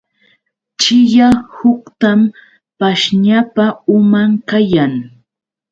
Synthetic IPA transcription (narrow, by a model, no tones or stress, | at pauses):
t͡ʃɪjahʊkt̪am | paʃɲapaʊmaŋkajaŋ